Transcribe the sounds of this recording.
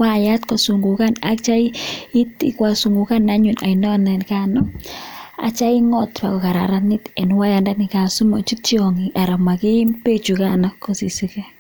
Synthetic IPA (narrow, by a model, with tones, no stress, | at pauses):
wa˦˨ja˦tko˨su˨ŋɡu˨ka˦na̰˦kt͡ʃa˦i˦i˦ti˨kwa˨su˨ŋɡu˨ka˦na˦ɲu˨na̰˨inɔ˦nɛ˨nka˦nɔ˦ | a̰˨t͡ʃa˦i˦ŋɔ˦tpa̰˨ko˨ka˨ɾa̰˨ɾa˦nɪ˦tɛ˨nwa˦ja˨nda˦nɪ˨ka˨su˦mɔ˨t͡ʃi˦t͡ʃi˦ɔ˨ŋi˨ʔa˨ɾa˨ma˨ki˦mpe˦t͡ʃu˨kana˦kko˨si˨si˨kɛ˦